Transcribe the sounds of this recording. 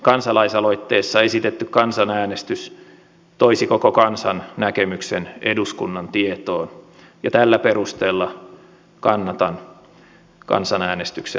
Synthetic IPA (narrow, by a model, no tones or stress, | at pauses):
kɑnsɑlɑisɑloit̪ːeːsːɑesit̪et̪ːykkɑnsɑnæːnest̪ys | t̪oisikokokɑnsɑnnækemykseneduskunːɑnt̪iet̪oːn | jɑt̪ælːæperust̪eːlːɑ | kɑnːɑt̪ɑn | kɑ̰nsɑnæːnest̪yksḛ